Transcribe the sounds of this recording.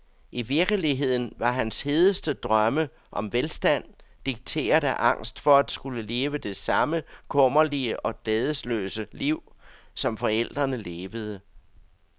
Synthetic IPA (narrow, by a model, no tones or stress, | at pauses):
ʔiʋiɐɡ̥əliɦe̝ð̞̰ˠn̩ʋɑ̈ɦænshe̝ð̞ˠəsd̥əd̥ʁɶmə | ʔɒ̽mʋelsd̥æn̰d̥iɡ̥̚t͡sʰe̝̰ːɐðˠæʔɑ̈ŋ̰sd̥fɒ̽æd̥sɡ̥uləle̝ːʋəd̥e̝sɑ̈məkʰɔ̽m̰ɐliəʔɒ̽d̥ɛːðˠəslø̰ːsəliʊ̰sɒ̽mfɒ̽el̰d̥ʁɐnəle̝ːʋəð̞̩ˠə